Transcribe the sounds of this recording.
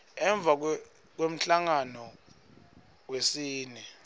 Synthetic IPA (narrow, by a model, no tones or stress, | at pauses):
ɛɱb̪vʱak̬ | k̬wem̩ɬaŋanɔ | wesiːnɛ